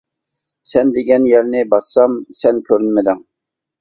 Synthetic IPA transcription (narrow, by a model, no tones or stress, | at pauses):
sɛnd̪eɡʲɛnjɛɾnɪbɑt̪ːɑmsɛnkʲʰøɾynmɪd̪ɪŋ